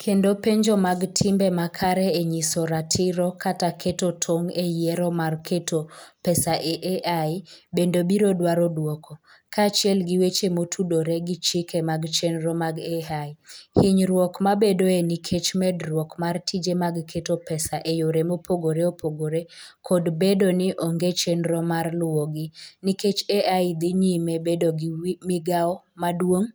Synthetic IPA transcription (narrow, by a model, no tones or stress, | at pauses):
kʰendopeɲd͡ʒɔmaɡtʰɪmbɛmakʰaɾɛeɲisɔɾatʰɪɾɔkatakʰetotʰoŋejɛɾɔmarkʰetopɛsaʔeʔeʔaɪbendobiɾodwaɾɔdwɔkʰɔ | kʰat͡ʃɪɛlɡiwet͡ʃemotʰudoɾeɡit͡ʃikemaɡt͡ʃɛnɾɔmaɡeahɪɲɾwɔkmabedoenikʰet͡ʃmɛdrwɔkmartʰid͡ʒemaɡkʰetopɛsaʔejoɾemopʰoɡoɾeopʰoɡoɾekʰodbedonɪʔoŋɡet͡ʃenɾɔmarlʊoɡɪniket͡ʃeʔaɪd̪ɪɲimebedoɡɪmɪɡaɔmadwoŋ